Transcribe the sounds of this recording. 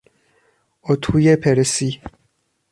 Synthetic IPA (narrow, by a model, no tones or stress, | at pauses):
ot̪ʰujepʰeɾesi